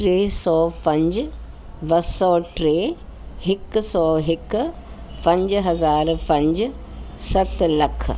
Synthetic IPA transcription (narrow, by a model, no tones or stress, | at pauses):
ʈɾeːsɔːpɐ̃ɲd͡ʒ | bɐsɔːʈɾeː | hɪksɔːɦɪk | pɐ̃ɲd͡ʒɦɐzaːɾpɐ̃ɲd͡ʒ | sɐt̪lɐkʰ